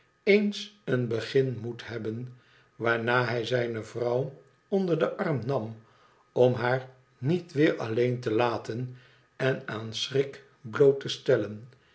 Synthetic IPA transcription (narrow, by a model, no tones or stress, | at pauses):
ejnsənbəχɪnmuthɛbən | ʋaːɹnaːɦɛjzɛjnəvrɑw | ɔndəɹdəʔɑrmnɑm | ɔmɦaːɹ | nitʋɪːɹɑlejntəlaːtən | ɛnaːnsrɪk | blowtəstɛlən